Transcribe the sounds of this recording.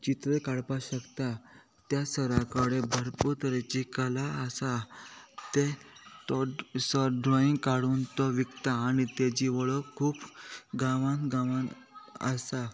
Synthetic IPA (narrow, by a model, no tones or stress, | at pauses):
t͡ɕit̪ɾekaɽpaɕəkt̪a | t̪jasəɾakəɽebʱəɾput̪ɾet͡ɕikəlaəsa | t̪et̪ɔsɔɖɾɔĩŋɡkaɽuːnt̪ɔʋikt̪aːɽ̃it̪ed͡ʑiʋəɭɔkʰuːpɡãʋãnt̪ɡãʋãn | ə̰sa